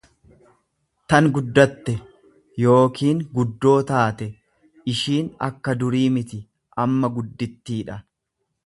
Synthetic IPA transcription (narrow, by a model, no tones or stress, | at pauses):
t̪ɐnɡʊd̪ːɐt̪ːɛ | jo̞ːkiːŋɡʊd̪ːo̞ːt̪aːt̪ɛ | ɪʃiːnɐ̰kːɐd̪ʊɾiːmɪt̪ɪ | ʔɐmːɐɡʊd̪ːɪt̪ːiːᶑɐ